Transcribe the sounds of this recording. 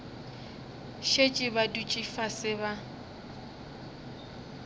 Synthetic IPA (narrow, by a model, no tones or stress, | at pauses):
ʃet͡ʃʼɪbadut͡ʃʼifasɪβa